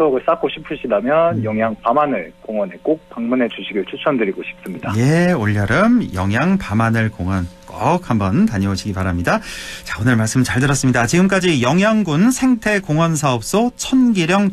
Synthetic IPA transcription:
oɡɯɭs͈ak͈oɕʰipʰuɕʰidamjʌnjʌŋjaŋpamanɯɭkoŋwʌnek͈ok̚p͈aŋmune̞t͡ɕuɕʰiɡɯɭt͡ɕʰut͡ɕʰʌndɯɾiɡoɕʰi̥p̚s͈ɯmɲidaje̞oʎːʌɾɯmjʌŋjaŋpamanɯɭkoŋʌnk͈ʌk̚hambʌntaɲʌoɕʰiɡipaɾamɲidat͡ɕaonɯɭmaɭs͈ɯmɯt͡ɕaɭdɯɾʌs͈ɯmɲidat͡ɕiɡɯmk͈ad͡ʑijʌŋjaŋɡunsʰe̞ŋtʰe̞koŋwʌns̬ʰaʌp̚s͈ot͡ɕʰʌnɡiɾjʌŋ

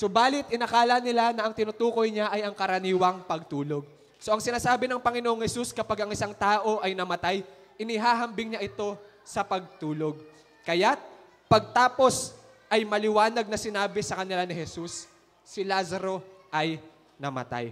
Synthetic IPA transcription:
sobaːlɪt̪̚ʔɪnɐkaːlɐnɪlanɐʔɐŋt̪ɪnʊt̪uːko̞jɲaʔɐjɐŋkɐɾɐniːwɐŋpɐɡ̚t̪uːlo̞ɡ̚ | so̞ʔɐŋsɪnaːsaːbɪnɐŋpɐŋɪnoʔoŋhɛsuskɐpaɡɐŋɪsaŋt̪aːʔo̞ʔɐjnɐmɐt̪aj | ʔɪnɪɦaːɦɐmbɪŋɲaʔɪt̪o̞ | sɐpɐɡ̚t̪uːlo̞ɡ̚ | kɐjat̪̚ | pɐɡ̚t̪aːpo̞s | ʔɐjmɐlɪwaːnɐɡ̚nɐsɪnaːbɪsɐkɐnɪlanɪhɛsusː | ɪlazɐɾo̞ | ʔɐj | nɐmɐ̰t̪a̰j

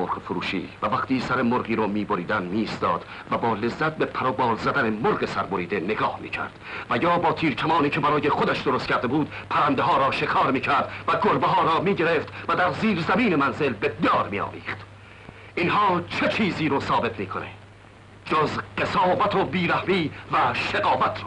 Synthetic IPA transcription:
oɾqfoɾṵːʃḭːvævæqt̪iːsæɾemoɾʁiːɾɔːmiːboɾiːd̪ænmiːst̪ɒːd̪̥ | væbɒːle̞zːæt̪̚bepʰæɾɒːbɒːlzæd̪ænemoɾɢesæɾboɾiːd̪e̞neɡɒːhmḭːcʰæ̰ɾd̪̥væjɒːbɒːt̪ʰiːɾkʰæmɒːniːcʰebæɾɒːje̞χod̪æʃd̪oɾost̪̚cʰæɾd̪e̞buːd̪̥pʰæɾænd̪eɦɒːɾɒːʃe̞kʰɒːɾmiːcʰæɾd̪væɡoɾbeɦɒːɾɒːmiːɟe̞ɾe̞ft̪væd̪æɾziːɾzæmiːnemænze̞lbed̪ɒːɾmḭːɒ̰ːvḭːχt̪ | inhɒːt͡ʃʰe̞t͡ʃʰiːziːɾoːsɒːbe̞t̪miːkʰone̞̰ | d͡ʒozɢe̞sɒːvæt̪ʰobiːɾæhmiːvæʃeɡɒːvæt̪ʰɾo̥

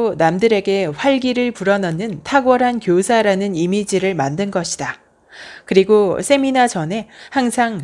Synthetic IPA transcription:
namdɯɾe̞ɡe̞ɸwaɭɡiɾɯɭpuɾʌnʌnːɯntʰaɡwʌɾɦankjosʰaɾanɯnimid͡ʑiɾɯɭmandɯnɡʌɕʰida | kɯɾiɡosʰe̞minad͡ʑʌne̞haŋsʰaŋ

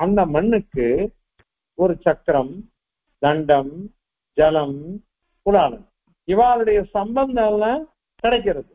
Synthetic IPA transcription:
ɐnd̪ɐmɐɳːɯkːɯ | ɔɾɯt͡ʃɐkːɾɐm | d̪ɐɳɖɐm | d͡ʒɐlɐm | pʊlaːlɐm | ɪʋaːlɯɽɐjɐsɐmbɐnd̪ɐlːɐ̃ | kɪɽɐɪk̬ːɪɾɐðɯ

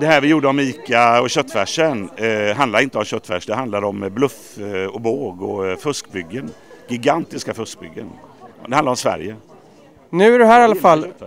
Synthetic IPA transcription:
d̪ɛhæːɾvɪjuːɖəɔmiːkaɔɕœt̪ːfæʂənɦand̪laɾɪnt̪əɔmɕœt̪ːfæ̰ʂd̪ɛɦand̪lad̪ɾɔmblɵf | ɔboːɡɔfɵskbʏɡːənɡɪɡant̪ɪskafɵsk̚bʏ̰ɡːənd̪ɛhanaɾɔmsvæ̰ɾjə | nʉ̟ːæɖɵɦæːɾalːafalː

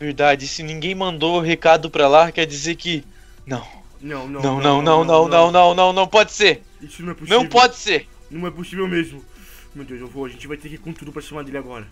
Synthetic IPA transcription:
veɾd̪ad͡ʒɪsɪnĩɡẽj̃mɐ̃nd̪oɦekad̪ʊpɾalakɛɾd͡ʒizeɾkɪ | nɐ̃w̃ | nɐ̃w̃ñnɐ̃w̃nɐ̃w̃nɐ̃w̃nɐ̃w̃nɐ̃w̃nɐ̃w̃nɐ̃w̃nɐ̃w̃pɔd͡ʒɪseɾ | isʊnɐ̃w̃ɛponɐ̃w̃pɔd͡ʒɪseɾ | nɐ̃w̃ɛposivewmezmʊ | mewd̪ewzewvoɐʒẽt͡ʃɪvajt̪eɾkɪkõt̪ud̪ʊpɾɐʃɐmaɾd̪elɪaɡɔɾɐ

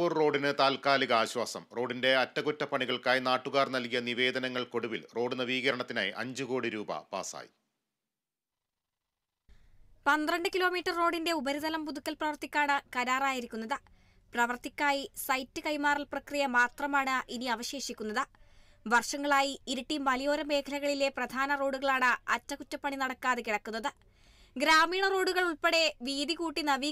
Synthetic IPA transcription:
uːrro̞ːɖinɨt̪aːlkaːliɣɐaːɕwaːsɐ̰mro̞ːɖinde̞ɐtːɐɣutːɐpɐɳiɣɐɭkaːjinaːʈːuɣaːrnɐlkijɐniʋe̞ːd̪ɐnɐŋːɐɭko̞ɽuʋilro̞ːɖunɐʋiːɣɐɾɐɳɐt̪ːina̰ːjiʔɐ̰ɲd͡ʑuko̞ːɽiɾuːbɐ̰pa̰ːsa̰ːjḭ | pɐnd̪rɐɳɖɨkilo̞ːmiːʈːɐrːo̞ːɖinde̞ubɐɾiðɐlɐmpuðukʲːɐlprɐʋɐrt̪ikʲːaːɳɨkɐɾaːraːjiɾikʲːunːɐðɨ | prɐʋɐrt̪ikʲːaːjisɐjtːɨkɐjmaːrɐlprɐkrijɐmaːt̪rɐmaːɳɨʔiniɐʋɐɕe̞ːʂikʲːunːɐðɨ | ʋɐrʂɐŋːɐɭaːjiiɾuʈːimɐlijo̞ːɾɐme̞ːkʰɐlɐɣɐɭile̞prɐd̪ʱaːnɐro̞ːɽuɣɐɭaːɳɨɐ̰tːɐkut͡ɕːɐpːɐɳinɐɽɐkːaːðekiɽɐkːunːɐðɨ | ɡɾaːmiːɳɐro̞ːɽuɣɐɭuɭpeɽe̞ʋiːðikuːʈːinɐʋiː

